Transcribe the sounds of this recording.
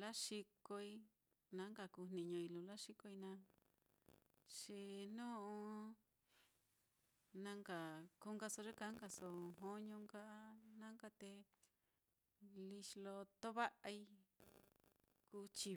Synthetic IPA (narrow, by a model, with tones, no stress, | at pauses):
la˦ʂi˧ko˧i˧ | nã˦ŋɡa˧ku˧n̥ĩ˧˨ɲõ˧i˧lu˧la˦ʂi˧ko˧i˧nã˧˦ | t͡ʃi˧nũ˦ʔõ˧ | nã˧ŋɡa˨ku˧ŋɡa˧so˧ʐe˦ka˧˦ŋka˧so˧ɦõ˧˦ɲõ˧ŋka˦nã˦ŋka˧t̪e˧ | li˧ʃlo˧t̪o˦βa˦ʔa˧i˧ | ku˧t͡ʃi˧